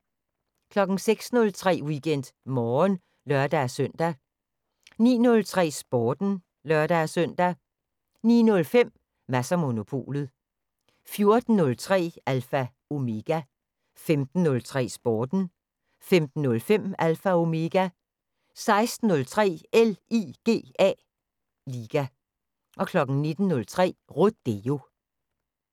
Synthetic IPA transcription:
kʰlɒ̽ɡ̥n̩seɡ̥snɔ̽lt͡sʰʁɛ̰ːwiɡ̥en̰d̥mɒːn | lɶɐd̥ææsøn̰d̥æ | nḭːnɔ̽lt͡sʰʁɛ̰ːsb̥ɒːd̥n̩ | lɶɐd̥ææsœn̰d̥æ | nḭːnɔ̽lfem̰ | mæsæmo̝no̝pʰo̝̰ːlð̩ˠ | fjo̝ɐd̥n̩ːɔ̽lt͡sʰʁɛ̰ːælfæ | o̝me̝ɡ̥æ | femd̥n̩ːɔ̽lt͡sʰʁɛ̰ːsb̥ɒːd̥n̩ | femd̥n̩ːɔ̽lfem̰ælfæo̝me̝ɡ̥æ | sɑ̈ɪsd̥n̩ːɔ̽lt͡sʰʁɛ̰ːeliːɡ̥e̝̰ːɛ̰ː | liːɡ̥æ | ʔɒ̽kʰlɒ̽ɡ̥n̩ne̝d̥n̩ːɔ̽lt͡sʰʁɛ̰ːʁo̥d̥eo̝

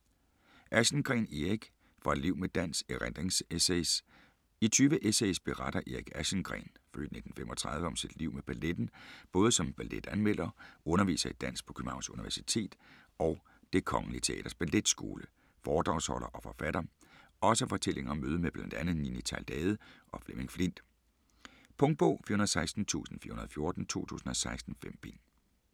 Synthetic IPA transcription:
ʔæɕn̩ɡ̥ʁɛ̰ːniʁiɡ̥ | fɑ̈d̥liʊ̰med̥æn̰seʁɛnd̥ʁeŋseses | it͡sʰyːʋəʔesesb̥e̝ʁɑ̈d̥ɐʔiʁiɡ̥æ̥ɕənɡ̥ʁɛ̰ːnfø̰ːd̥ne̝d̥n̩femʔɒ̽t͡sʰʁɑ̈ðˠʋəɒ̽msid̥liʊ̰meb̥æled̥n̩b̥ɔ̽ːð̞ˠəsɒ̽mb̥æled̥ænmel̰ɐɔ̽nɐʋḭːsɐid̥æn̰sɡ̥̚pʰɒ̽kʰymɑ̈ʊnsuniʋæɐsi̥t͡sʰe̝̰ːd̥ | ɒʊ | d̥e̝kʰɒ̽ŋlit͡sʰe̝ɛ̰ːd̥ɐsb̥æled̥sɡ̥o̝̰ːlə | fɒːd̥ʁɑ̈ʊshɒ̽lɐʔɒ̽fɒ̽fæɾ̥ɐ | ɒ̽səfɒ̽t͡sʰelʔe̝ŋɐɒ̽møːð̞ˠmeb̥lænd̥ænð̩ˠninit͡sʰæld̥ɛːð̞̩ˠʔɒ̽fleme̝ŋflin̰d̥ | pʰɔ̽ŋd̥̚b̥o̰ːfiːɐhunɐðˠsɑ̈ɪsd̥n̩t͡sʰṵːsn̩fiɐunɐðˠfjo̝ɐd̥n̩t͡sʰo̝̰ːt͡sʰṵːsn̩ɒ̽sɑ̈ɪsd̥n̩fem̰b̥in

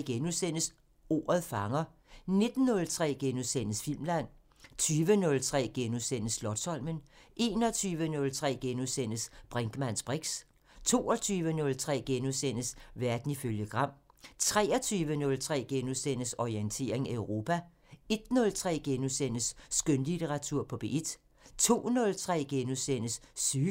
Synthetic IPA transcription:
ɡ̥enusen̰əs | o̝̰ːɐð̩ˠfɑ̈ŋɐ | ne̝d̥n̩ːɔ̽lt͡sʰʁɛ̰ːɡ̥enusenəsfil̰mlæn̰ | t͡sʰyːʋənɔ̽lt͡sʰʁɛ̰ːɡ̥enusen̰əslɒ̽d̥sɒ̽l̰mənʔe̝ːnɒt͡sʰyːʋənɔ̽lt͡sʰʁɛ̰ːɡ̥enusen̰əsb̥ʁɛŋɡ̥əmæn̰sb̥ʁiɡ̥s | t͡sʰo̝̰ːɒt͡sʰyːʋənɔ̽lt͡sʰʁɛ̰ːɡ̥enusen̰əsʋæɐd̥n̩iføljəɡ̥ʁɑ̈m̰t͡sʰʁɛ̰ːɒt͡sʰyːʋənɔ̽lt͡sʰʁɛ̰ːɡ̥enusen̰əsɒient͡sʰe̝̰ːɐ̰e̝ŋæʊʁo̝ːpʰæ | e̝d̥nɔ̽lt͡sʰʁɛ̰ːɡ̥enusen̰əsːɡ̥ønlideʁɑ̈t͡sʰuɐ̰pʰɒ̽b̥eʔed̥ | t͡sʰo̝̰ːnɔ̽lt͡sʰʁɛ̰ːɡ̥enusen̰əsːyː

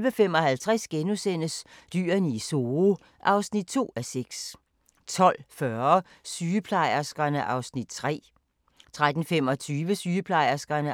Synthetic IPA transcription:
ʋəfem̰ɒ̽hælt͡sʰʁasɡ̥enusen̰əsd̥y̰ːɐniso̝ | ʔɑ̈ʊsnid̥̚t͡sʰo̝̰ːæseɡ̥s | t͡sʰɒ̽l̰fɶɐ | syːəpʰlɑ̈ɪ̰ɐsɡ̥ɐnəʔɑ̈ʊsnid̥̚t͡sʰʁɛ̰ː | t͡sʰʁad̥n̩fem̰ɒ̽t͡sʰyːʋəsyːəpʰlɑ̈ɪ̰ɐsɡ̥ɐnə

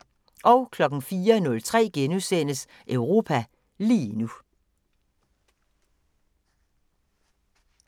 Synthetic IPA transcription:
ʔɒ̽ʊkʰlɒ̽ɡ̥n̩fiːɐnɔ̽lt͡sʰʁɛ̰ːɡ̥enusen̰əs | ʔœʊʁo̝ːpʰæ | lḭːnu

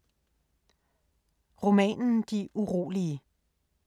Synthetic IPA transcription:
ʁo̝mɛ̰ːnn̩d̥iʔuʁo̝̰ːliə

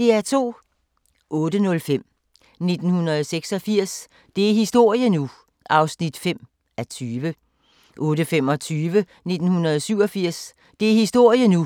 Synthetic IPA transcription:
d̥e̝æɐt͡sʰo̝̰ː | ʔɔ̽ːdənɔ̽lfem̰ | ne̝d̥n̩hunɐðˠseɡ̥sɒ̽fiɐ̰s | d̥e̝æɐhisd̥o̝ɐ̰jənu | ʔɑ̈ʊsnid̥fem̰ | æt͡sʰyːʋə | ʔɔ̽ːdəfem̰ɒ̽t͡sʰyːʋə | ne̝d̥n̩hunɐð̞̩ˠsyʊ̰ɒ̽fiɐ̰s | d̥e̝æɐhisd̥o̝ɐ̰jənu

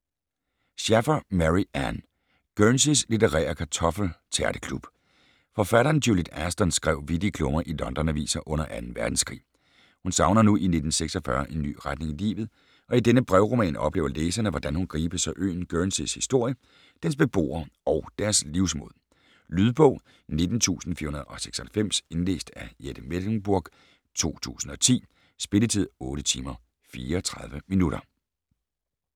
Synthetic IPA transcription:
ɕæfɐmæʁiæn | ɡ̥ønsislit͡seʁɛ̰ːɐkʰæt͡sʰɒ̽fl̩t͡sʰæɐɾ̥əkʰlub̥ | fɒ̽fæɾɐːnd̥julid̥æsd̥ɒ̽nsɡ̥ʁɛʊʋid̥ikʰlɔ̽mɐʔilɒ̽nd̥ɒnæʋḭːsɐʔɔ̽n̰ɐʔænn̩ʋæɐd̥n̩skʰʁḭː | hunsɑ̈ʊnɐnuʔine̝d̥n̩seɡ̥sɒfɶɐʔe̝nːy̰ːʁad̥ne̝ŋilḭːʋð̩ˠ | ɒ̽id̥enəb̥ʁɛʊʁo̝mɛ̰ːnɒ̽b̥le̝̰ːʊɐleːsɐnəʋɒd̥ænhunɡ̥ʁiːb̥əsɒʔø̰ːn̩ɡ̥øːnseshisd̥o̝ɐ̰jə | d̥ens̬b̥e̝b̥o̝̰ːɐɒ̽ʊd̥æɐsliʊsmo̝ð̰ˠ | lyðˠb̥ɔ̽ʊ̰ | ne̝d̥n̩t͡sʰṵːsn̩fḭːɐhunɐð̩ˠɒ̽se̥ɡ̥sɒhælfem̰se̝nle̝̰ːsd̥æjed̥əmelŋ̩b̥uɐɡ̥ | t͡sʰo̝̰ːt͡sʰṵːsn̩ɒ̽t͡sʰḭː | sb̥e̝lət͡sʰið̞̰ˠɔ̽ːɾət͡sʰiːmɐ | fiːɐːt͡sʰʁɑðˠʋəminuɾɐ

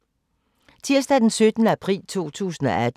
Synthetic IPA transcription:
t͡sʰiɐsd̥æd̥ensød̥ənəæpʰʁḭːlt͡sʰo̝̰ːt͡sʰṵːsn̩ɒ̽ʔæd̥

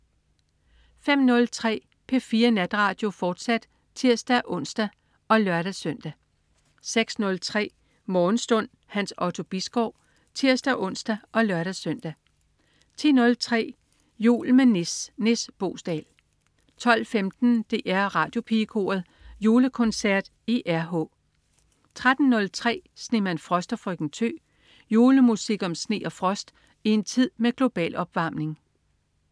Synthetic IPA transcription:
fem̰nɔ̽lt͡sʰʁɛ̰ː | pʰe̝fiːɐnæd̥ʁɑ̈ːd̥jo̝fɒːd̥sæd̥ | t͡sʰiɐ̰sd̥æʔɔ̽n̰sd̥æ | ɒ̽lɶɐɾ̥æsœn̰d̥æ | seɡ̥snɔ̽lt͡sʰʁɛ̰ː | mɒːn̩sd̥ɔ̽n̰ | hænsɒ̽t͡sʰo̝b̥isɡ̥ɒʊ̰ | t͡sʰiɐ̰sd̥æʔɔ̽n̰sd̥æʔɒ̽lɶɐɾ̥æsøn̰d̥æ | t͡sʰḭnɔ̽lt͡sʰʁɛ̰ː | jṵːlmenesnesb̥o̝ːsd̥ɛ̰ːl | t͡sʰɒ̽l̰femd̥n̩d̥e̝ʔæɐʁɑ̈ːd̥jo̝pʰikʰo̝̰ːɐðˠ | jo̝ːləkʰɔ̽nsæɐ̰d̥ | eʔæɐɦɔ̽ː | t͡sʰʁad̥n̩ːɔ̽lt͡sʰʁɛ̰ːsne̝mænfʁɒ̽sd̥ɐfʁœɡ̥n̩t͡sʰø̰ː | jo̝ːləmusiɡ̥ɒ̽msne̝̰ːɒ̽fʁɒ̽sd̥ | ie̝nt͡sʰið̰ˠmeɡ̥lo̝b̥ɛ̰ːlɒ̽b̥ʋɑ̈mne̝ŋ

